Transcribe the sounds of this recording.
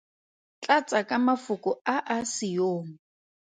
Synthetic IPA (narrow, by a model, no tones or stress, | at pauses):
t͡ɬat͡sʼakʼamafʊkʼʊaʔasijoːŋ̩